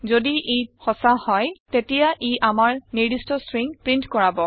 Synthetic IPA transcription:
zodiʔixɔsahɔjtetijaʔiʔamaɹniɹdistɔsɹiŋpɹintkɔɹabɔ

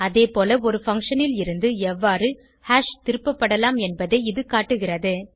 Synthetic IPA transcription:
ɐðeːpoːlɐɔɾɯfɐŋkʂɐnɪlɪɾɯnd̪ɯɛʋːaːɾɯ | haːʂt̪ɪɾɯpːɐpːɐɽɐlaːmɛnbɐðɐɪɪðɯkaːʈːɯɣɪrɐðɯ

